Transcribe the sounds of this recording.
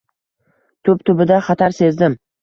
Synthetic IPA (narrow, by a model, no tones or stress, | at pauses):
t̪ʰɵpt̪ʰʊbɪd̪aχɑt̪ʰaɾse̞zd̪ɪm